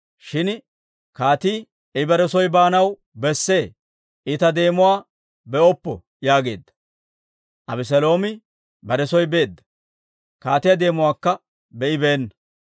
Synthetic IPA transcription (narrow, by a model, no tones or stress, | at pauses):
ʃɪn | kaːt̪iː | ɪbɐɾɛsɔjbaːnɐw | bɛsːe̞ː | ɪt̪ɐd̪e̞ːmʊwaː | bɛʔɔpːɔ | jaːɡe̞̰ːd̪ːɐ̥ | ʔɐbɪs̬ɐlo̞ːmɪ | bɐɾɛsɔjbe̞ːd̪ːɐ̥ | kaːt̪ɪjɐd̪e̞ːmʊwaːkːɐ | bɛʔɪbɛːnːɐ